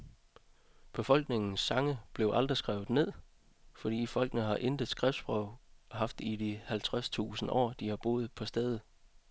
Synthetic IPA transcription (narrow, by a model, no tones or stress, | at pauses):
b̥e̝fɒ̽l̰ɡ̥ne̝ŋn̩sːɑ̈ŋəb̥le̝ʊʔɑ̈ld̥ʁisɡ̥ʁaʊð̩ˠne̝ð̞̰ˠ | fɒ̽d̥ḭːfɒ̽l̰ɡ̥ənəɦɑ̈ʔend̥ð̩ˠsɡ̥ʁɛfd̥sb̥ʁœʊ̰ɦɑ̈fd̥id̥ihælt͡sʰʁast͡sʰṵːsn̩ʔɒ̰ːd̥ihɑ̈b̥o̝̰ːð̞̩ˠpʰɒ̽sd̥eðˠð̩ˠ